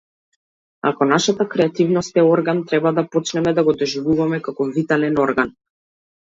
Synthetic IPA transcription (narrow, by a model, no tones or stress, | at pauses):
a̰kɔnaʃat̪akɾɛat̪ivnɔst̪ɛɔɾɡant̪ɾɛbad̪apɔt͡ʃnɛmɛd̪aɡɔd̪ɔʒivuvamɛkakɔvit̪alɛnɔɾɡan